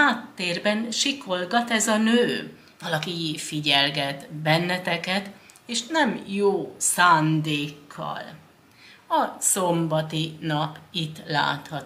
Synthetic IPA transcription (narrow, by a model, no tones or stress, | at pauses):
aːt̪ːeːrbɛnʃikʰo̞lɡɒt̪ɛzɒnøː | vɒlɒkifiɟɛlɡɛt̪bɛnːɛt̪ɛkɛt̪eːʃnɛmjoːsaːnd̪eːkʰːɒ̰l | ɒso̞mbɒt̪inɒpit̪ːla̰ːt̪hɒt̪